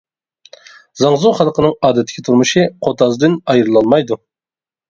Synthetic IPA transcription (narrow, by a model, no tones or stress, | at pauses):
zɑŋzuχɑlˠqʰənɨŋɑːd̪ɛt̪ʰːɪ̥kʲʰit̪ʰuɾmuʃɨqʰot̪ʰɑzd̪ɨnɑjɾɨlˠɑnmɑjd̪u